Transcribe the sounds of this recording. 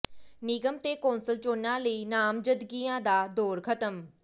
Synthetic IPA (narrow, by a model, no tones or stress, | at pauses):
nɪɡəmt̪eːkoːnsəlt͡ʃoːnãːləiːnaːmd͡ʒəd̪ɡiːãːd̪aːd̪oːɾkʰət̪əm